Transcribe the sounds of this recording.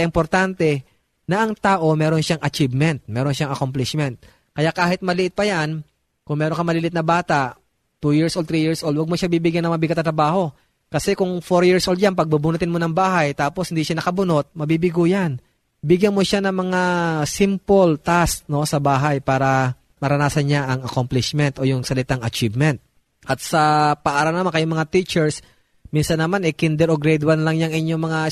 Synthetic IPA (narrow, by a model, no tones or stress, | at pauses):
ʔɪmpoɾt̪ant̪ɛ | nɐʔɐŋt̪aːʔo̞mɛːɾonʃaŋʔɐt͡ʃivmɛnt̪̚mɛːɾonʃaŋʔɐkomplɪʃmɛnt̪̚ | kɐjakaːhɪt̪̚mɐlɪʔɪt̪̚pɐjan | kʊŋmɛːɾoŋkɐmɐliːlɪt̪nɐbaːt̪aʔ | t̪ujɪɹsʔod̪t̪ɾijɪɹsʔold̪waɐɡ̚moʃabiːbɪɡjɐnɐŋmɐmabɪɡɐt̪ɐt̪ɾɐbaːɦo̞ | kɐsɛkʊŋfoɾjiɹsʔold̪janpɐɡ̚bubʊnʊt̪ɪnmonɐŋbaːɦɐjt̪aːpo̞shɪnd̪iːʃanɐkɐbʊno̞t̪̚mɐbiːbɪɡuːjan | bɪɡjɐnmoʃanɐŋmɐŋasimpolt̪ast̚no̞sɐbaːɦajpaːɾɐ | mɐɾɐnaːsɐnɲaʔɐŋɐkomplɪʃmɛnt̪ʔo̞jʊŋsɐlɪt̪aŋɐt͡ʃivmɛnt̪̚ | ʔɐt̪̚sɐpɐʔaːɾɐlnɐmankɐjoŋmɐŋat̪it͡ʃɛɹs | minsɐnːɐmanɐjkɪnd̪ɛɾoɡɾɛd̪wanlɐŋɲaŋɪɲjo̞ŋmɐŋa